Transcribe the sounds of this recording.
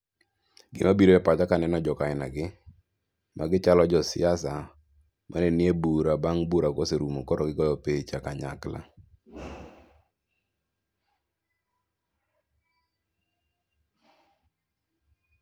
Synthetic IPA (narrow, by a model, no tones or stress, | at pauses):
ɡɪ̰mabiɾoɛpatakanɛnɔd͡ʒɔkaɪna̰ɡɪ | mʔaɡɪt͡ʃalɔd͡ʒɔsɪ̰asa | mʔaneniebuɾabaŋbuɾakoseɾumokɔɾɔɡɪɡɔjɔpet͡ʃakaɲa̰kla̰